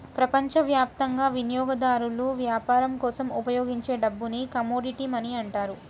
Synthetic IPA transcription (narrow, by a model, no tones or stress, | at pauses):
pɾɐpɐɲt͡ʃɐʋjaːp̚t̪ɐŋɡaːʋinjɔːɡɐd̪aːɾuluʋjaːpaːɾɐmkɔːsɐmupɐjoːɡiɲt͡ʃe̞ːɖɐbːunikɐmoːɖiʈiːmɐniɐɳʈaːɾu